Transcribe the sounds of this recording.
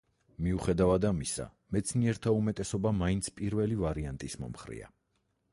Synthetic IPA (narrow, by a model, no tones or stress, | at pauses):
miuχɛd̪avad̪amisa̰ | mɛt̪sʰniɛɾt̪ʰaumɛt̪ʼɛsɔbamaint̪sʰpʼiɾvɛlivaɾiant̪ʼismɔ̰mχɾḭa̰